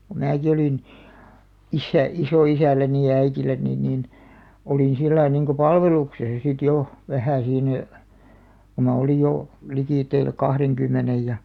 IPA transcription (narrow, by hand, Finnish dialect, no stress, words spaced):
ku mæːki oliˑn isːæ isoˑisælːæni jɑ æitilːæni niːn oliˑn silːɑi niŋko pɑlʋeluksesɑ sit jo ʋæhæˑ siːnæ ko mɑ olij jo likiˑtːeil kɑhreŋkymːenej jɑ